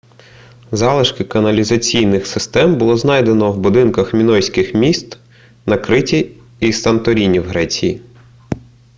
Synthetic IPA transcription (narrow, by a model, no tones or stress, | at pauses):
zɑlˠɪʃkɪkɐnɐlʲizɐt͡sʲijnɪxsɪst̪ɛmbʊlˠɔznɑjd̪enɔwbʊd̪ɪnkɐxmʲinɔjsʲkɪxmʲist̪ | nɐkɾɪtʲi | isɐnt̪ɔɾʲinʲiwɦɾɛt͡sʲiji